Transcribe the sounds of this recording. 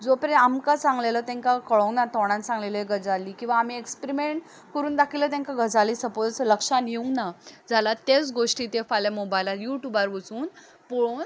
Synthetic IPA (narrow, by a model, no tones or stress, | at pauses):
d͡zopɾeamkasãŋɡlelət̪ɛ̃ŋkakəɭɔ̃ŋnat̪ɔɽ̃ãnsãŋɡleləeɡəd͡zalikĩw̃ʋaːm̤iekspɾimeɳʈ | kəɾuːnd̪akʰilət̪ɛ̃ŋkaɡəd͡zalisəpod͡zləkʂanjeũŋɡnad͡zalat̪et͡sɡoʂʈiːt̪efaljamobajlajuʈjubaɾʋət͡suːn | pɔɭon